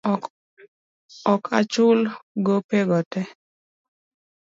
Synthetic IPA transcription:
ɔkʰa̰t͡ʃʊlɡopeɡɔtɛ

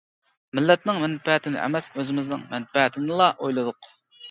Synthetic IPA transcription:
mɪlːɛt̪nɪŋmɛnfɛɦt̪ʰɪnɪ̰ʔɛ̰mɛsøzɪmɪznɪ̰ŋmɛnfɛɦɛt̪ʰɪnɨlˠɑʔojlˠɨd̪ʊq

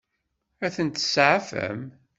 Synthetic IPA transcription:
æθənt̪sʕafə̰m

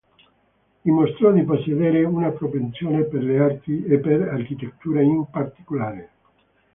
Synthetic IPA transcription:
imost̪ɾɔd̪iposːed̪eːɾeunapɾopent̪sjoːneperleark̪iepːeɾarkit̪et̪ːuːɾaimpart̪i̥kolaːɾe

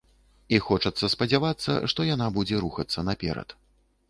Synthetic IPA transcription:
ixɔt͡ʂɐt̪sːɐspɐd͡zʲavat̪sːɐ̰ʂt̪ɔjanabud͡zʲɛɾuxɐt̪sːɐnapʲɛ̰ɾɐ̰t̪

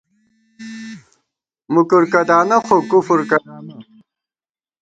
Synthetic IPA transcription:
mukuɾkɐd̪aːnɐxokufuɾkɐn

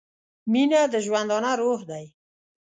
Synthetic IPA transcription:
minad̪əʒwand̪ɑnaɾohd̪aj

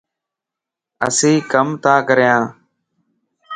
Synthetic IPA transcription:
ə̰sĩːkəmt̪aːkəɾjãː

